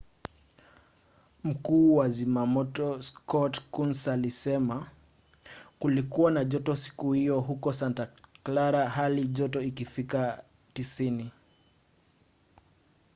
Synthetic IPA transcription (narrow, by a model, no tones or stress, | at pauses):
m̩kuːwazimamɔtɔskɔtkunsalisɛma | kulikuwanaʄɔtɔsi̥kuhijɔɦukɔsantaklaɾaɦaliʄɔtɔikifika | tisini